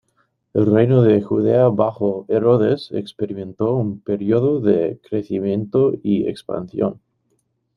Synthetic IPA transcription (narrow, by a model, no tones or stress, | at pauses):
elrejnoðexuðeaβaxoeɾoðesḛkspeɾimẽ̞nt̪oumpeɾjoðoðekɾeθimjẽ̞nt̪oiḛkspa̰nθjo̰n